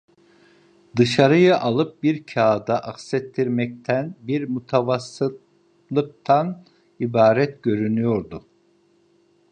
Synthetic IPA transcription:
d̪ɯʃaɾɯjɯʔalˠɯp̚biɾcʰaːd̪aʔaxsɛt̪ːiɾmɛc̚t̪ʰænbiɾmut̪ʰavasːɯt̪ | lˠɯk̚t̪ʰan | ibaːɾɛt̪ɟø̞ɾynyjo̞ɾd̪ʊ

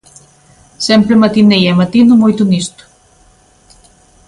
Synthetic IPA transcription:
sɛmpɾemat̪inejamat̪inumojt̪unist̪u̥

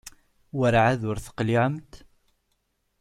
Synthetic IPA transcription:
wəɾʕaðʊɾθə̥qliʕəmt̪

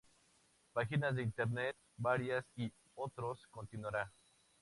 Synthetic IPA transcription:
paxinazðe̞int̪eɾnet̪̚ | baɾjasi | ot̪ɾosko̞nt̪inwaɾa

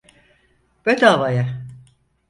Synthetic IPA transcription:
b̥øt̪ʰaːvaja

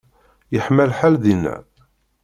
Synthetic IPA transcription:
jəħmælħalðinːæ̰

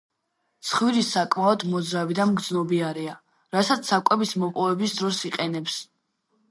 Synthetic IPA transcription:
t̪sʰχwiɾisakʼmaɔd̪mɔd̪zɾavid̪amɡd̪znɔbiaɾia | ɾasat̪sʰakʼwɛbismɔpʼɔvɛbisd̪ɾɔsiqʼɛnɛps

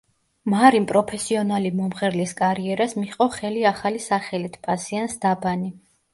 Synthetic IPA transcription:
maɾimpʼɾɔpʰɛsiɔnalimɔmχɛɾliskʼaɾiɛɾasmiqʼɔχɛliaχalisaχɛlit̪ʰpʼasiansd̪̥abani

